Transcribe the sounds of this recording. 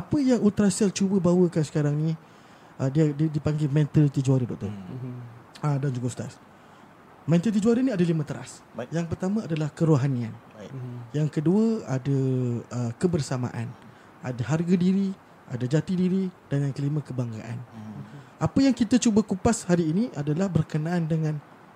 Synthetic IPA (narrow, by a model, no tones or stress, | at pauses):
apəjaŋult̪ɾasialt͡ʃubəbawəkansə̥kaɾaŋnĩ | ʔədiədədipaŋɡemɛ̃nt̪əlt̪id͡ʒuaɾədɔk̚t̪ɔ̰r | adand͡ʒuɡost̪a̰s | mɛ̃nt̪əlt̪̬id͡ʒuaɾənĩadalimə̃t̪əɾa̰sjaŋpərt̪amãadalahkəɾoɦanian | jaŋkəduaadaəkəbərsama̰ʔa̰n | ʔa̰daɦarɡadiɾi | ʔadad͡ʒat̪idiɾid̥aŋankəlimãkəbaŋɡa̰ʔa̰n | ʔapəjaŋkit̪at͡ʃubakupashaɾiːniʔadalahbərkənaʔandəŋãn